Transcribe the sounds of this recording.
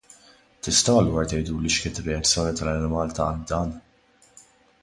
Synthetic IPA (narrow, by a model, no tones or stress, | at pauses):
t̪ɪst̪ɐwɐlːuːɾɐt̪ɛjd̪uːliʃkɪːnt̪ɪrːɛɐt͡sːjɔːnit̪ɐlɐnɪmɐːlt̪ɐ̰ld̪ɐːn